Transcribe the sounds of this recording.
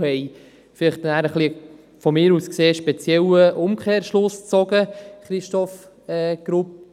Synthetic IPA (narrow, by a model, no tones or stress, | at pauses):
hɛj | fɪlɪχtnæːɾəχli | fɔmɪːɾuːskseːʃpɛt͡sjɛwəʔʊmkʰeːɾʃlʊst͡sɔɡəχɾɪʃtɔf | ɛɡ̥ɾup̚